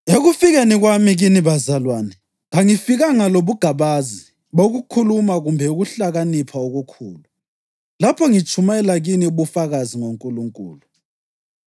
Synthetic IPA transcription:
eɣufiɣeniɣwamiɣiniβazalwaːnɛ | ŋaŋifiɣaŋaloβuɡ̥ʱaβazi | βoɣukʰulumaɣumbʱɛuɣuɬaɣanipʰaoɣukʰuːlu | lapʰɔŋit͡ʃʰʼumaɛlaɣiniuβufaɣaziŋoŋkʼuluŋkʼṵːlu

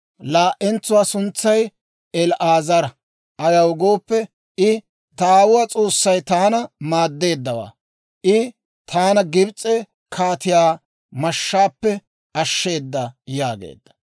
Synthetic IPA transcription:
laːʔɛnt͡sːʊwaːsʊnt͡sːɐj | ɛlʔaːzɐɾɐ | ʔɐjɐwɡo̞ːpːɛ | ɪ | t̪ɐːwʊwaːt͡sʼo̞ːsːɐjt̪aːnɐmaːd̪ːe̞ːd̪ːɐwa̰ː | ʔɪ | t̪ʰaːnɐɡɪbt͡sʼɛ | kʰaːt̪ɪjaː | mɐʃːaːpːɛ | ɐʃːe̞ːd̪ːɐjaːɡḛːd̪ːɐ̥

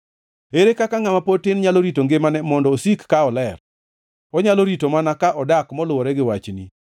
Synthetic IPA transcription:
eɾekakaŋamapotɪnɲaloɾitoŋɡemanɛmɔndɔːsikːaɔlɛr | ɔɲaloɾitomanakaʔɔdakmɔlʊwɔɾɛɡɪwat͡ʃnḭ

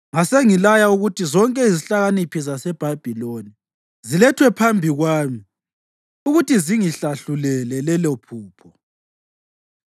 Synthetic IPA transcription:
ŋaseŋilajauɣutʰizɔŋkʼɛiziɬaɣanipʰizasɛb̥ʱab̥ʱiloni | zilɛtʰwɛpʰambʱiɣwaːmi | uɣutiziŋiɬaɬulɛlɛlɛlɔpʰuːpʰɔ

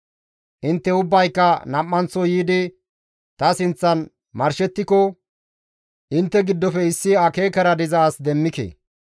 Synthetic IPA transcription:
ʔɪnt̪ːɛʊbːɐjkːɐnɐmːɐnt͡sːɔjiːd̪ɪ | t̪ɐsɪnt͡sːɐn | mɐɾʃɛt̪ːɪkɔ | ʔɪnt̪ːɛɡɪd̪ːɔfɛɪsːɪɐkeːkɐɾɐd̪ɪzaːsd̪ɛmːɪkḛː

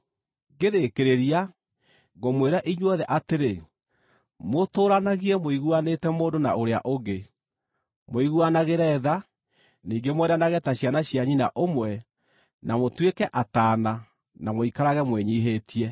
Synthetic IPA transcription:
ɡeðekeɾeɾia | ɣomweɾaʔiɲwɔðɛʔateɾe | motoːɾanaɣiɛmoiɣwanetɛmoːndona̰oɾea̰ʔoɡe | moiɣwanaɣeɾɛːða | niːŋɡemwɛɾanaɣɛtaɕjanaɕjaɲinaʔomwɛ | namotwekɛʔataːna | namoikaɾaɣɛmwɛɲiɦetiɛ

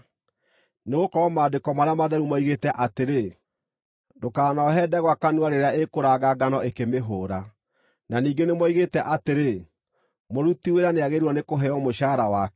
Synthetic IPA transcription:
neɣokɔɾɔmaːdekɔmaɾeamaðɛɾumaiɣetɛʔateɾe | dokaːnaɦɛːdɛɣwakanwaɾeɾeaekoɾaɡaɡanɔekemeɦoːɾa | naniːɡenemwaiɣetɛʔateɾe | moɾutiweɾaneaɣeɾɔnekoɦɛɔmoɕaːɾawakɛ

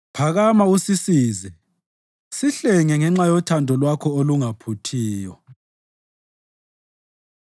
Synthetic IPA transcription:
pʰaɣamausisiːzɛ | siɬɛŋɛŋɛŋ͡ǁajɔtʰandʱɔlwakʰɔoluŋapʰutʰiːjɔ

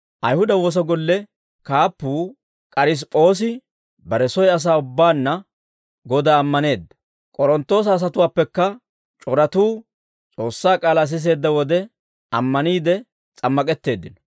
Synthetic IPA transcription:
ʔɐjhʊd̪ɐwo̞ːs̬ɐɡɔlːɛ | kaːpːuː | kʼɐɾɪs̬pʼo̞ːs̬ɪ | bɐɾɛsɔjɐs̬aːʊbːaːnːɐ | ɡɔd̪aːmːɐne̞ːd̪ːɐ̥ | kʼɔɾɔnt̪ːo̞ːs̬ɐːs̬ɐt̪ʊwaːpːɛkːɐ | t͡ʃʼɔɾɐt̪uː | t͡sʼo̞ːsːaːkʼaːlaːs̬ɪs̬e̞ːd̪ːɐwɔd̪ɛ | ɐmːɐniːd̪ɛ | t͡sʼɐmːɐkʼɛt̪ːe̞ːd̪ːɪnɔ̥

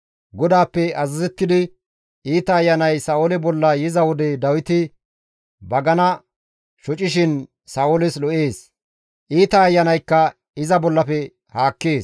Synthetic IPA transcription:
ɡɔd̪aːpːɛɐzɐzɛt̪ːɪd̪ɪ | iːt̪ɐːjːɐnɐjsɐːʊlɛbɔlːɐjɪzɐwɔd̪ɛd̪ɐwɪt̪ɪ | bɐɡɐnɐ | ʃɔt͡ʃʼɪʃɪn | saːʔʊlɪslɔʔeːs | ʔiːt̪ɐːjːɐnɐjkːɐ | ɪzɐbɔlːɐfɛ | haːkːeːs

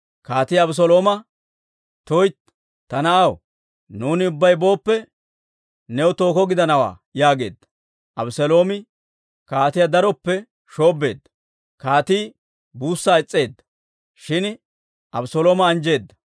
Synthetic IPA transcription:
kaːt̪iːɐbʊs̬ɔlo̞ːmɐ | t̪ojt̪ | t̪ːɐnɐɐw | nuːnɪʊbːɐjbo̞ːpːɛ | nɛwt̪o̞ːkɔɡɪd̪ɐnɐwa̰ː | jaːɡe̞̰ːd̪ːɐ̥ | ʔɐbʊsɛlo̞ːmɪ | kaːt̪ɪjad̪ɐɾɔpːɛ | ʃo̞ːbe̞ːd̪ːɐ̥ | kaːt̪iː | buːsːaːɪt͡sʼːe̞ːd̪ːɐ̥ | ʃɪn | ʔɐbʊsɔlo̞ːmɐːnd͡ʒe̞ːd̪ːɐ̥

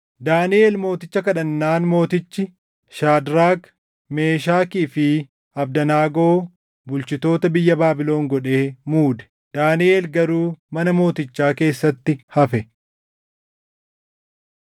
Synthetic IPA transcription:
d̪aːnɪʔe̞ːlmo̞ːt̪ɪt͡ʃːɐkɐᶑɐnːaːnmo̞ːt̪ɪt͡ʃːɪ | ʃaːd̪ɾaːɡ | me̞ːʃaːkiːfɪ | ɐb̚d̪ɐnaːɡo̞ː | bʊlt͡ʃɪt̪o̞ːt̪ɐbɪjːɐbaːbɪlo̞ːŋɡɔᶑe̞ːmuːd̪ɛ̥ | d̪aːnɪʔe̞ːlɡɐɾuːmɐnɐmo̞ːt̪ɪt͡ʃːaːke̞ːsːɐt̪ːɪhɐfɛ

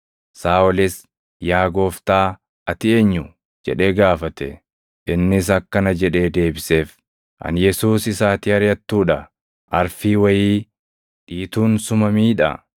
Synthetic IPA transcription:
saːɔlɪs | jaːɡo̞ːft̪aː | ɐt̪ɪe̞ːɲːʊ | d͡ʒɛ̰ᶑe̞ːɡaːfɐt̪ɛ̰ | ʔɪnːɪs̬ɐkːɐnɐd͡ʒɛᶑe̞ːd̪e̞ːbɪse̞ːf | ʔɐ̰njɛsuːsɪsaːt̪iːhɐɾjɐt̪ːuːᶑɐ | ʔɐɾfiːwɐjiː | ᶑiːt̪uːnsʊmɐmiːᶑɐ̰

